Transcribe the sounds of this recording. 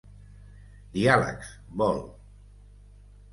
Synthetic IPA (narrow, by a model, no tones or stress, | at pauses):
d̪ialə̰ks | bɔlˠ